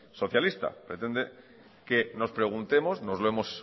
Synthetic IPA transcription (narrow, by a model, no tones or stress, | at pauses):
so̞θjalist̪a̰pɾe̞t̪e̞nd̪e | ke̞no̞spɾe̞ɣ̞unt̪e̞mo̞sno̞zlo̞emo̞s